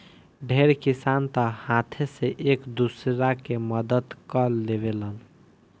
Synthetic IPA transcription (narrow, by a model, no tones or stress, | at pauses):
ɖʱeɾkisant̪əhãt̪ʰeseʔekd̪usɾakeməd̪əd̪kəlebelən